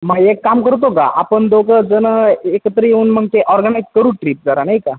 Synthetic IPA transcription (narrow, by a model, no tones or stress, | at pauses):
maɡekːamkəɾut̪̬oka̰ʔa̰pəɳd̪okəd͡zənəekət̪əɾəjeuːnməɡ̚t̪eʔɔɾɡənajzkəɾuːʈɾiːp̚d͡zaɾanajka